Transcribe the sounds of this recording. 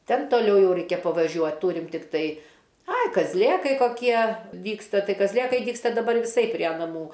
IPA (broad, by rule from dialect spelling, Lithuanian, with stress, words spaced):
ˈtʲɛn toːˈlʲɛʊ ˈjɛʊ ˈrʲɛɪkʲɛ pɐʋɐˈʒʲuɔt ˈtuːrʲɪm tʲɪkˈtɐɪ ˈɐɪ kɐzʲˈlʲeːkɐɪ koːˈkʲiɛ ˈdʲiːkstɐ ˈtɐɪ kɐzʲˈlʲeːkɐɪ ˈdʲiːkstɐ dɐˈbɐr ʋʲɪˈsɐɪ pʲrʲiɛ nɐˈmuː